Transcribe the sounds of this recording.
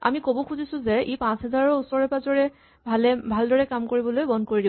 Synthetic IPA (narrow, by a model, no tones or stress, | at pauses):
a̰mikobɔkʰuzisʊ̃zɛepãsɦɛzaɹɔusɔɹɛpazɔɹɛ | bʱalɛbʱaldɔɹɛkamkoɹibɔlojbɔndkoɹidib